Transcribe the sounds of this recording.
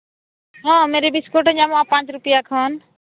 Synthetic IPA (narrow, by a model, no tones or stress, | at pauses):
ɦãmeɾebiskoʈɦəd͡ʒamãpãːt͡ʃɾʊpijakʰəːn